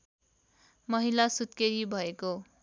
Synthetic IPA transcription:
mʌɦilasut̪̚keɾibʱʌeko

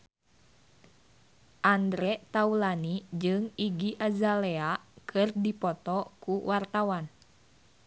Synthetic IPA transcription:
ʔandɾɛt̪aulanid͡ʒɨŋiɡiʔazalɛakʰɨrdipɔt̪ɔkuwart̪awan

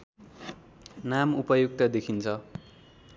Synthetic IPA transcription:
namupʌjuk̚t̪ʌd̪ekʰint͡sʰʌ

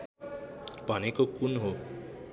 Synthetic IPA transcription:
bʱʌnekokunɦo

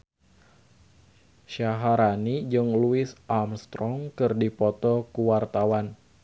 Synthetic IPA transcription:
ʃaɦaɾanid͡ʒɨŋluɪsʔamst̪ɾɔŋkɨrdipɔt̪ɔkuwart̪awan

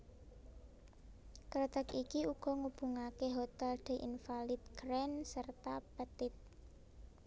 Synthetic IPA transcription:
kɾət̪əkikiuɡ̥ɔ̤ŋub̥ṳŋakeɦot̪ɛlɖ̪̥e̤ʔinfalɪt̪̚kɾɛnsərt̪apət̪ɪt̪̚

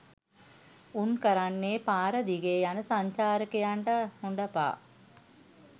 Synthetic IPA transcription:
unkəɾanːeːpaːɾəd̪iɡejanəsaɲt͡ʃaːɾəkejaɳʈəhuɳɖəpa̰ː

